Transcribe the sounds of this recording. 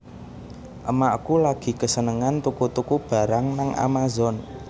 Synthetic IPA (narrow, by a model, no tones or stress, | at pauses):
ʔəmaʔkulaɡ̥i̤kəsənəŋant̪ukut̪ukub̥a̤ɾaŋnaŋʔa̰mazɔn